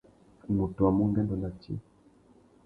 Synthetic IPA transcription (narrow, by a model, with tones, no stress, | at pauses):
mu˨to˨wa˨mu˦ŋɡɛ˦ndɔ˨na˨t͡ʃḭ˦